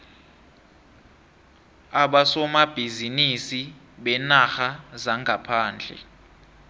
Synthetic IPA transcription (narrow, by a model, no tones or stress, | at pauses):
aɓasɔmab̥ʱizinisi | ɓɛnaxazaŋɡʱapʰaːnd͡ɮʱɛ̰